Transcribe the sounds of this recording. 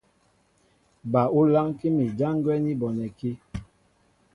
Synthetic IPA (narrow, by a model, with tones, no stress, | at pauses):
ba˨u˦la˦ŋki˦mi˨d͡ʒa˦ŋ˦ɡwɛ˦ni˦bɔ˨nɛ˨ki˦